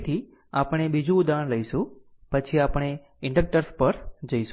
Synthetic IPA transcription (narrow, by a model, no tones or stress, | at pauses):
t̪ʰi | apəɽ̃ebid͡ʒũːd̪aəɳləjʃũ | pət͡ʃʰiapəɽ̃e | ɪɳɖək̚ʈəɾspəɾd͡ʒəjʃ